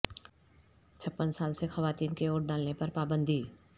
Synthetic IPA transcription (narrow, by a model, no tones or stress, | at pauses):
t͡ʃʰɐpːənsaːlsexɐʋaːt̪iːnkeoːʈ̚ɖaːlnepɐɾpaːbə̃nd̪ʱiː